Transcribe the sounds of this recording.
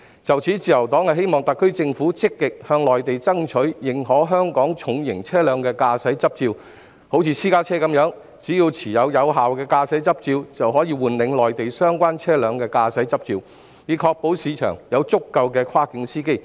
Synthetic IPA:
t͡sɐ˨wt͡sʰiː˨˥t͡siː˨˩jɐ˨˩wt̪ɔː˨˥ŋhɐ˨ɦe˥jmɔː˨ŋt̪ɐ˨kʰːɵ˥ɥt͡sɪ˧ŋfu˨˥t͡sɪ˥kːɪ˨k̚hœː˧ŋlɔː˨˩jt̪e˨jt͡sɐ˥ŋt͡ʃʰɵ˨˥ɥjɪ˨˩ŋɦɔː˨˥ɦœː˥ŋkɔː˨˥ŋt͡sʰʊ˨˧ŋjɪ˨˩ŋt͡sʰɛː˥lœː˨˧ŋkɛː˧kaː˧sɐ˨˥jt͡sɐ˥p̚t͡siː˧w | ho˨˥wt͡sʰiː˨˧siː˥kaː˥t͡sʰɛː˥kɐ˨˥mjœː˨˥ŋ | t͡siː˨˥jiː˧wt͡sʰiː˨˩jɐ˨˧wjɐ˨˧wɦaː˨wkɛː˧kaː˧sɐ˨˥jt͡sɐ˥p̚t͡siː˧wt͡sɐ˨wɦɔː˨˥jiː˧wuː˨nlɪ˨˧˥ŋlɔː˨jt̪e˨jsœː˥ŋkʷaː˥nt͡sʰɛː˥lœː˨˧ŋkɛː˧kaː˧sɐ˨˥jt͡sɐ˥p̚t͡siː˧w | jiː˨˩kʰɔː˧k̚po˨˥wsiː˨˧t͡ʃʰœ̰ː˨˩ŋjɐ˨˧wt͡sʊ˥kːɐ˧wkɛː˧kʰwaː˥kɪ˨˧˥ŋsiː˥ke˥j

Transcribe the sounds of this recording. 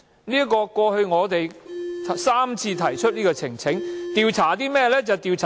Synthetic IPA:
niː˥kɔː˧kʷɔː˧hɵ˧ɥŋɔː˨˧t̪e˨jʰ | saː˥mt͡sʰiː˧t̪ʰɐ˨˩jt͡ʃʰɵ˥t̚niː˥kɔː˧t͡sʰɪ˨˩ŋt͡sʰɪ˨˥ŋt̪iː˨˧wt͡sʰaː˨˩t̪iː˥mɛː˥˩lɛː˥t͡sɐ˨wt̪iː˨wt͡sʰaː˨

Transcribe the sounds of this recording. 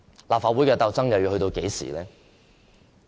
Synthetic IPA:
laː˨p̚faː˨˧twuː˨˥jkɛː˧t̪ɐ˧wt͡sɐ˥ŋjɐ˨wjiː˧hɵ˧t̪o˧wke˨˥jsḭː˨˩lɛː˦˥

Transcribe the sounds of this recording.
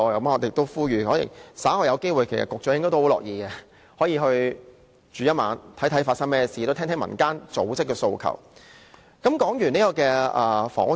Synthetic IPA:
ɔ˧kɐ˨˦mŋɔ˨˧t̪e˨˧k̚t̪o˥wfuː˥jyː˨˩ɔː˨˥jḭ˨˩saː˨˥hɔː˧˩jɐ˨˧wke˥jwuː˨jkʰe˨˩sɐ̰˨t̚kʊ˨k̚t͡ʃœː˨˧jɪ˥ŋkɔ˥t̪o˥hwlɔ̰ː˨k̚jiː˨˧kɛ˧ | hɔː˨˥jiː˧ɦɵ˧ɥ | t͡ʃyː˨jɐ˥t̚ma̰ː˨˧˥nt̪ʰɐ˨˥tʰjfaː˧tsɐ˥ŋmɛː˥siː˨t̪o˥t̪ʰɛː˥t̪ʰɛ˨˥mɐ̰˨˩nkaː˥nt͡so̰˨˥wt͡sɪ˥kːɛː˧so˧wkʰɐ̰˨˩w | kɐ˨˥mkɔː˨˥ŋjyː˨˩ne˥jkɔː˧kɛː˧ʔɐ˨fɔ̰ː˨˩ŋʊ˥

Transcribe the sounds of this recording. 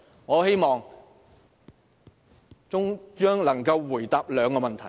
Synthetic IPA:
ŋɔː˨˧he˥jmɔː˨ŋ | t͡ʃʊ˥ŋt͡ʃœː˥ŋlɐ˨˩ŋkɐ˧wːuː˨˩jt̪aː˨p̚lœː˨˧ŋkɔː˧mɐ˨nt̪ʰɐ˨˩j

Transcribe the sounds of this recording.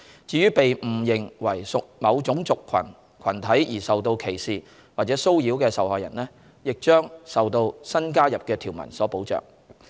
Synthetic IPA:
t͡siː˨˧jyː˥pe˨jm̩˨˩jɪ˨˩ŋwɐ˨˩jsʊ˨k̚mɐ˨˧wt͡sʊ˨˥ŋt͡sʊ˨kʰːɐ̰˨˩n | kʰɐ˨˩nt̪ʰɐ˨˥jjiː˨˩sɐ˨wt̪o˧wkʰe˨˩jsiː˨ | waː˨˩t͡sɛː˨˥so˥wjiː˨˥wkɛː˧sɐ˨whɔ̰ː˨jɐ̰˨˩nlɛː˥ | jɪ˨k̚t͡ʃœː˥ŋsɐ˨wt̪o˧wsɐ˥nkaː˥jɐ˨p̚kɛː˧t̪ʰiː˨˩wmɐ̰˨˩nsɔː˨˥po˨˥wt͡sœ̰ː˨ŋ

